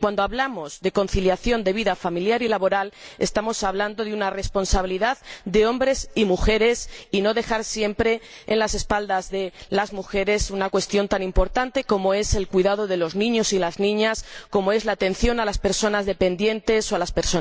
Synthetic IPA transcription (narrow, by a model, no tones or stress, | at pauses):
kwand̪o̞aβlamo̞zðe̞ko̞n̟θiljaθjo̞nd̪e̞βiðafamiljaɾilaβo̞ɾale̞st̪amo̞saβland̪o̞ðeunare̞spo̞nsaβiliðaðd̪e̞õ̞mbɾe̞simuxe̞ɾe̞sino̞ðe̞xaɾsje̞mpɾe̞ | enlase̞spald̪azðe̞lazmuxe̞ɾe̞sunakwe̞st̪jo̞nt̪anĩmpo̞ɾt̪ant̪e̞ko̞moe̞se̞lkwiðað̞o̞ðe̞lo̞znĩɲo̞silaznĩɲasko̞mo̞e̞zlaːt̪e̞nθjo̞nalaspe̞ɾso̞nazðe̞pẽ̞nd̪je̞nt̪e̞soalaspe̞ɾso